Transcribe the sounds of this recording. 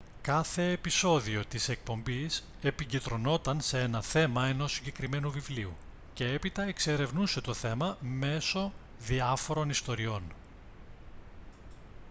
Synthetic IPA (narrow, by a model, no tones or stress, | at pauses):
kɐθe̞ːpiso̞ðio̞t̪ise̞k̚po̞mbis | e̞piɲɟit̪ɾo̞no̞t̪ɐnse̞e̞nɐθe̞mɐe̞no̞sːiɲɟe̞kɾime̞nuvivliu | ce̞e̞pit̪ɐekse̞ɾe̞vnuse̞t̪o̞θe̞mɐme̞so̞ | ðiɐfo̞ɾo̞nist̪o̞ɾio̞n